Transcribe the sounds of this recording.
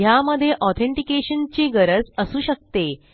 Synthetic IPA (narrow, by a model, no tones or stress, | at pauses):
ɦjaməd̪ʱːjeʔɔt̪ʰẽɳʈikeɕənt͡ɕeɡəɾəd͡zəsuːɕək̚t̪e